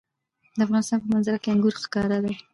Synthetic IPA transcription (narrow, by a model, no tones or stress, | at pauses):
d̪əafɣɑnɪst̪ɑnpəmanzaɾakeaŋɡuɾxkɑɾad̪a